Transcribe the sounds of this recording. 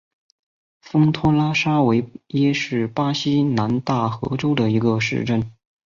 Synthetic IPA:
fɤ˥ŋt̪ʰɔ˥la˥ʂa˥we˧˥ɪjɛ˥ʂɻ̩˥˩pa˥ɕi˥na˧˥nt̪a˥˩xɤ̰˧˥ʈ͡ʂo˥ʊd̪ə˨i˧˥ɡə˧ʂɻ̩̰˥˧ʈ͡ʂə˥˩n

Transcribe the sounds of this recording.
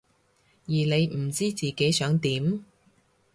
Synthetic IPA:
jiː˨˩ne˨˧jm̩˨˩t͡siː˥t͡siː˨ke˨˥jsœː˨˥ŋt̪iː˨˥m

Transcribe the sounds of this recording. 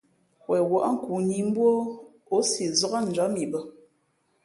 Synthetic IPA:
wɛ˨wɔ˨ʔŋ̩˦˨ku˨ɲi˨m̩˦bwo˦ | o˦si˨zɔ˦ɣa˦n̩˨d͡ʒɔ˨˦mi˨bə˦

